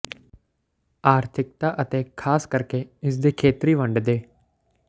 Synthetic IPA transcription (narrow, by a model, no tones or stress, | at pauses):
aːɾt̪ʰɪk̚t̪aːʔət̪eːkʰaːskəɾkeːɪs̬d̪eːkʰeːt̪ɾiːʋəɳɖd̪eː